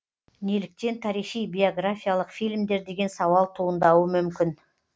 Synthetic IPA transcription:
nelɪk̚t̪e̞nt̪ʰɑɾiʃijbʲejo̞ɡrafʲijalˠəqfilmd̪e̞ɾd̪e̞ɡʲe̞nsɑwɑlˠt̪ʰuənd̪ɑwəmʏmkʲɪn

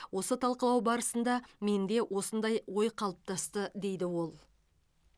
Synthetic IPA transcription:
wo̞sət̪ʰɑlˠqəlˠɑwbɑɾəsənd̪ɑme̞nd̪e̞wʔo̞sənd̪ɑjwo̞jqʰɑlˠəp̚t̪ʰɑst̪əd̪e̞jd̪ɪwo̞lˠ

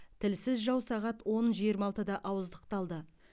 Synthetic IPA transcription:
t̪ʰɪlsɪzʒɑwsɑʁɑt̪wo̞nʒijəɾmɑlˠt̪əd̪ɑʔɑwəzd̪əqt̪ɑlˠd̪ə

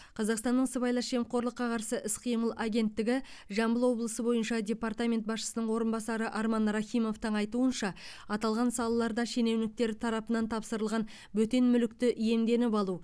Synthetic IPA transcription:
qʰɑzɑqst̪ɑnːəɴsəbɑjlˠɑʃe̞mqʰo̞ɾlˠəqːɑqɑɾsəʔɪsqʰijməlˠaɡʲe̞nt̪ːɪɡʲɪ | ʒɑmbəlˠwo̞blˠəsəbo̞jənʃɑdʲe̞part̪amʲe̞nt̪̚bɑsʃə̥sənəɴwo̞ɾənbɑsɑɾəʔɑɾmɑnɾɑχʲijmo̞ft̪əɴɑjt̪uənʃɑ | ɑt̪ɑlˠʁɑnsɑlˠɑlˠɑɾd̪ɑʃe̞ne̞wnɪk̚t̪e̞ɾt̪ʰɑɾɑpənɑnt̪ʰɑpsəɾəlˠʁɑn | bɵt̪e̞nmʏlɪk̚t̪ɪʔije̞md̪e̞nɪpɑlˠu

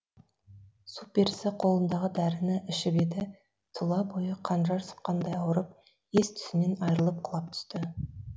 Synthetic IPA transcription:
sup̚be̞ɾsɪqʰo̞lˠənd̪ɑʁəd̪æɾɪnɪʔɪʃɪbe̞d̪ɪ | t̪ʰʊlˠɑbo̞jəqʰɑnʒɑɾsə̥q̚qɑnd̪ɑjɑwəɾəp̚ | e̞st̪ʰʏ̥sɪne̞nɑjɾəlˠəp̚qʰəlˠɑp̚t̪ʰʏ̥st̪ɪ

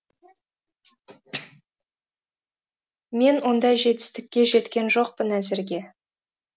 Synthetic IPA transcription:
me̞nwo̞nd̪ɑjʒe̞t̪ɪ̥st̪ɪk̚ʲːe̞ʒe̞t̪kʲe̞nʒo̞q̚pənæzɪɾɡʲe̞

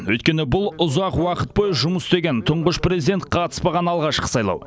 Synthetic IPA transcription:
wɵjt̪̚kʲe̞nɪbʊlˠʊzɑqwɑqət̪̚pojʒʊməsst̪e̞ɡʲe̞nt̪ʰʊɴʁəʃpre̞zijd̪ent̪̚qʰɑt̪ə̥spɑʁɑnɑlˠʁɑʃqə̥sɑjlˠɑ̰w

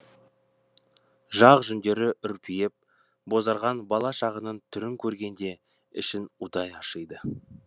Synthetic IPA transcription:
ʒɑʁʒʏnd̪e̞ɾɪʔʏɾpʰijɪp̚ | bo̞zɑɾʁɑnbɑlˠɑʃɑʁənənt̪ʰʏɾɪŋkʲʰɵɾɡʲe̞nd̪e̞ | ɪ̰ʃɪnʊd̪ɑjɑʃəjd̪ə

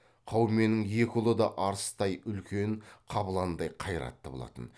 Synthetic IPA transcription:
qʰɑwme̞nɪŋje̞kʲɪʊlˠəd̪ɑʔɑɾəst̪ɑjʏlkʲe̞nqʰɑbəlˠɑnd̪ɑjqʰɑjɾɑ̰t̪ːəbo̞̰lˠɑ̰t̪ən

